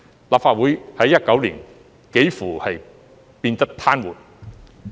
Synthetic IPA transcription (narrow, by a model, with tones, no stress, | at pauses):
laː˨˩pfaː˧t̚wuː˨˥jhɐ˨˥jːɐ˥t̚kɐ˨˥wliː˨˩n | ke˨˥jfuː˨˩hɐ˨j | piː˧nt̪ɐ˥k̚t̪ʰaː˥nwuː˨˩n̚